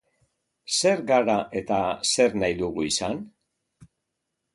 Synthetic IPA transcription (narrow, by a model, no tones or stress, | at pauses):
se̞ɾɡaɾaʔe̞t̪ase̞ɾnajðuɣuisan